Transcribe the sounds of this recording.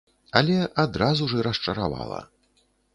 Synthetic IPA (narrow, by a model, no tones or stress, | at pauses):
ɐlʲɛʔad̪ɾazuʐɨɾɐst͡ʂɐɾa̰va̰lˠɐ̰